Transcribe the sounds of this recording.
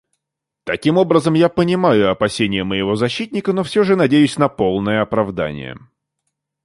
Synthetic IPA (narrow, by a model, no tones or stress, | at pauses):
t̪ɐkʲimo̞bɾəzəmjapənʲɪmajʊɐpɐsʲenʲɪjəməjɪvo̞zɐɕːit̪ʲnʲɪkənofsʲoʐɨnɐdʲejʊsʲnɐpo̞lˠnəjəɐpɾɐvd̪a̰nʲɪ̰jə̰